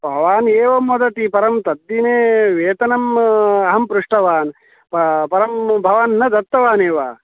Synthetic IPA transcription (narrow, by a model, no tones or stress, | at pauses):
bʱɐʋaːneːʋɐmːɐd̪ɐʈ̪ipɐɾɐmt̪ɐd̪ːineːʋeːt̪ɐnɐmɐɦɐmpɾuʂʈɐʋaːn | ppɐɾɐmbʱɐʋaːnːɐd̪ɐt̪ːɐʋaːneːʋa̰ː